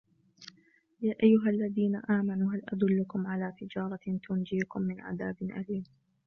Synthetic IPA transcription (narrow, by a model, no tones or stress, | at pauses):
jaːʔajːʊɦalːaðiːna̰ʔaːmanuːɦalʔa̰d̪ʊlːʊkʊmʕalaːt̪ɪd͡ʒɑːɾˤɑt̪ʊnd͡ʒiːkʊmːɪnʕa̰d̪aːbɪnʔa̰liːn